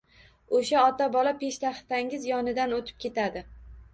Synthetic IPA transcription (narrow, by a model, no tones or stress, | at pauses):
oʃaɒt̪abɒlapʰeʃt̪aχt̪aŋɪzjɒnɪd̪anot̪ʰɪ̥p̚kʲʰe̞t̪ʰad̪ɪ